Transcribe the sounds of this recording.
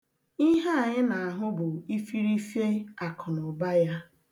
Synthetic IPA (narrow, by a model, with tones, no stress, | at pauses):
i˦ɦa˦a˨ɲɪ˦na˨a˨ɦʊ˦bʊ˨i˦fi˦ɾi˦fje˦a˨kʰʊ˨nʊ˨ba˦ja˦